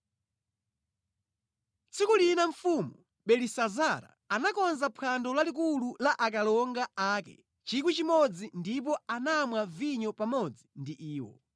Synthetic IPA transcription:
t͡sʰikulinaɱ̩fumu | ɓɛlisazaɾa̰ | anakɔnzapʰandɔlalik̬ululaʔak̬alɔŋɡaaːkɛ̰ | t͡ʃik̬wit͡ʃimɔd͡zindip̬ɔanamwaviɲɔpamɔd͡zindiʔiːwɔ̰

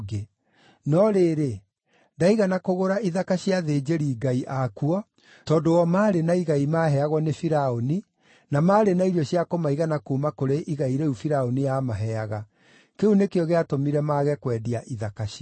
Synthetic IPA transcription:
ɡe | nɔɾeːɾe | ndaiɣanakoɣoɾaiðakaɕiaðed͡ʑeɾiːɡaiʔakuɔ | tɔːndowɔmaːɾenaiɣaimaɦɛaɣwɔnefiɾaoni | namaːɾenaiɾjɔɕiakomaiɣanakuːmakoɾeʔiɣaiɾeufiɾaonijamaɦɛaɣa | keunekeɔɣeatomiɾɛmaːɣɛkwɛːdiaʔiðakaɕi

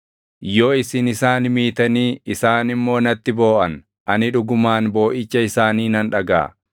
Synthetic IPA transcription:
jo̞ːɪsɪnɪsaːnmiːt̪ɐniːɪsaːnɪmːo̞ːnɐt̪ːɪbo̞ːʔɐn | ʔɐnɪᶑʊɡʊmaːnbo̞ːʔɪt͡ʃːɐɪsaːniːnɐnᶑɐɡa̰ː

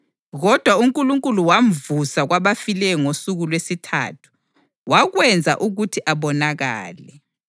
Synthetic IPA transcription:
ɣɔd̥ʱwauŋkʼuluŋkʼuluwaɱ̩vusaɣwaβafilɛŋosuɣulwesitʰa̰tʰu̥ | waɣwɛnd͡zʱa̰ʔuɣutʰiʔaβɔnaɣa̰ːlɛ

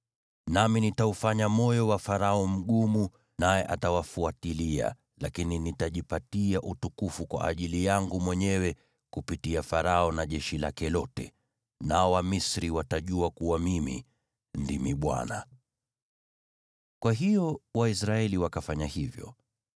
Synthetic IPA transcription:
naminitaufaɲamɔjɔwafaɾaɔm̩ɠumu | najɛʔatawafuatilia̰ | lakininitaʄipatiaʔutukufukwa̰ʔa̰ʄilijaŋɡumwɛɲɛwɛ | kupitiafaɾaɔnaʄɛʃilakɛlɔtɛ̰ | naɔwamisɾiwataʄuakuwamimḭ | ndimiɓwa̰na̰ | kwaɦijɔwaisɾaɛliwakafaɲahivjɔ̰

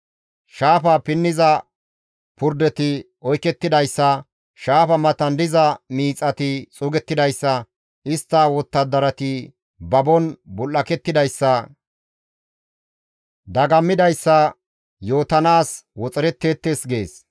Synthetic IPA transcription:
ʃaːfɐpɪnːɪzɐ | pʊɾd̪ɛt̪ɪ | ɔjkːɛt̪ːɪd̪ɐjsːɐ | ʃaːfɐmɐt̪ɐnd̪ɪzɐmiːt͡sʼːɐt̪ɪt͡sʼʊɡɛt̪ːɪd̪ɐjsːɐ | ɪst̪ːɐwɔt̪ːɐd̪ːɐɾɐt̪ɪ | bɐbɔnbʊlːɐkɛt̪ːɪd̪ɐjsːɐ | d̪ɐɡɐmːɪd̪ɐjsːɐ | jo̞ːt̪ɐnaːswɔt͡sʼɪɾɛt̪ːeːt̪ːesɡe̞ːs

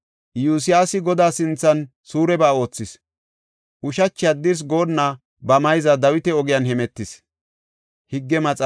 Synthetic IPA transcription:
juːs̬ɪjaːsɪɡɔd̪aːsɪnt͡sːɐn | suːɾɛbaːo̞ːt͡sːɪs | ʔʊʃɐt͡ʃːɪjad̪ɪɾs̬ɡo̞ːnːa | bɐmɐjzɐd̪ɐwɪt̪ɛɔɡɪjɐnhɛmɛt̪ːɪs | hɪɡːɛmɐt͡sʼ

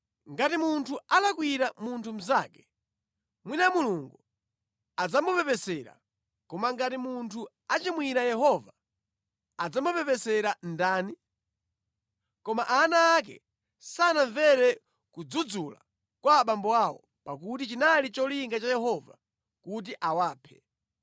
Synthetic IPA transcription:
ŋɡatimuntʰualakwiɾamuntʰum̩zaːkɛ̥ | mwinamuluŋɡu | ad͡zamupɛpɛsɛɾa̰ | kɔmaŋɡatimuntʰu | at͡ʃimwiɾajɛɦɔva | ad͡zamupɛpɛsɛɾandaːni | kɔmaʔanaːk̬ɛ̰ | sanaɱvɛɾɛ | kud͡zud͡zula̰ | kwaɓambɔawɔ̰ | pak̬utit͡ʃinalit͡ʃɔliŋɡat͡ʃajɛɦɔva̰ | kut̬iʔawaːpʰɛ

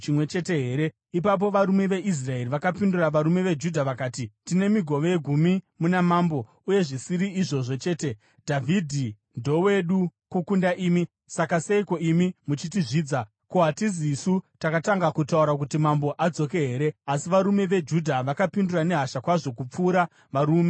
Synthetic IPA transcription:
t͡ʃimwe̞t͡ʃe̞te̞ɦe̞ːɾe̞ | ip̬ap̬o̞ʋaɾume̞ʋe̞ʔis̬rae̞riʋakapinduraʋaɾume̞ʋe̞d͡ʒudʱaʋakaːtitine̞miɡʱo̞ʋe̞ɡʱumimunamaːmbo̞ | uje̞ʐisiɾiːʐo̞ʐo̞t͡ʃe̞ːte̞ | dʱavʱidʱi | ndo̞we̞ɗukukundaʔiːmi | sakaseiko̞imimut͡ʃit̬iʐiːd͡za | ko̞ɦatizisutakataŋɡakutauɾakutimambo̞ʔad͡zo̞ke̞ɦe̞ɾe̞asiʋaɾume̞ʋe̞d͡ʒudʱaʋakapindurane̞ɦaʃakwaʐo̞kup͡fuːɾa | ʋaɾuːme̞

